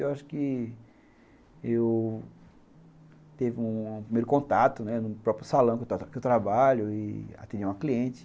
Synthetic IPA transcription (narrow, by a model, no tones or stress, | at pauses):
ewaʃʊ̥kɪ | ew | t̪evɪũũpɾimejɾʊkõt̪at̪ʊnɛnʊpɾɔpɾjʊsalɐ̃w̃ket̪akewt̪ɾabaʎʊɪa̰t̪ẽd͡ʒiɐ̃akliẽt͡ʃɪ̥